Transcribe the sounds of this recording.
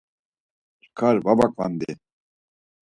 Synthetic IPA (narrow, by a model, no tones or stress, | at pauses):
t͡ʃkʰaɾbabakʼva̰nd̪i